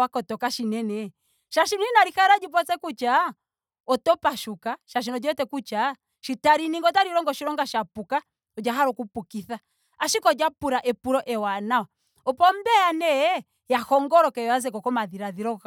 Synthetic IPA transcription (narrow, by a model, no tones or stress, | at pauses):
wakɔtɔkaʃinɛnɛ | ʃaʃinɔinaɾixaɾad͡ʒip̬ɔt͡sɛkut͡ʃa | ɔtɔpaʃukaʃaʃ̬inɔd͡ʒɔtɛkut͡ʃa | ʃitaɾiniŋɡɔtaɾiɾɔŋɡɔʃiɾɔŋɡaʃapuka | ɔd͡ʒaɦaɾɔkupukiθa | aʃikɔd͡ʒapuɾaʔɛpuɾɔʔɛwanawa | ɔpɔm̩bɛanɛ | jahɔŋɡɔɾɔkɛjɔazɛkɔkɔmaðiɾaðiɾɔ